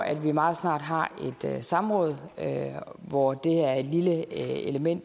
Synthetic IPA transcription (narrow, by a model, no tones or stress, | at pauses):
æd̥ʋimɑ̈ːð̞̩ˠsnɑ̈ːd̥ɦɑ̈e̝d̥sɑ̈mʁɔ̰̽ːð̞̩ˠøʋɒd̥e̝æɐe̝d̥liləeləmen̰d̥